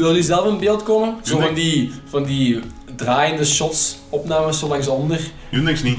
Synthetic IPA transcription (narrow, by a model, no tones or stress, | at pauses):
ʋɪlˠyzɛləfənbeːlˠtkɔməzoːvɑndivɑndi | draːjəndəʃɔts | ɔpnaːməssolɑŋsɔndər | unɪksni